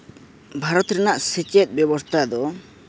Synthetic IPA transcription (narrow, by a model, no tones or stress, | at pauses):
bʱaɾɔt̪ɾɛnaʔsɛt͡ʃɛt̪̚ˀbɛbɔst̪ʰad̪ɔ